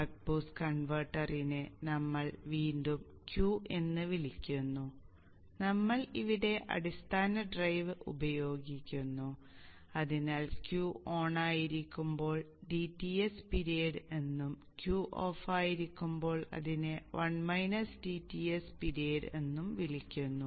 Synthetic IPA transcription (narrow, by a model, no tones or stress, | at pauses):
ɐʈ̚buːskɐɳʋɐrʈːɐrinɨnɐmːɐɭʋiːndum | kjuːe̞nːɨʋilikʲːunːu | nɐmːɐɭiʋiɽe̞ʔɐ̰ɽist̪ʰaːnɐɖrɐjʋɨʔṵbɐjo̞ːɡikʲːunːu | ɐðinaːlkjuo̞ːɳaːjiɾikʲːumbo̞ːɭ | ɖitːiespiɾieːɖɨe̞nːum | kjuʔo̞ːfaːjiɾikʲːumbo̞ːɭɐ̰ðineʋʔɐɳmɐjnɐsɖiːtːiespiɾieːɖɨe̞nːumʋilikʲːunːu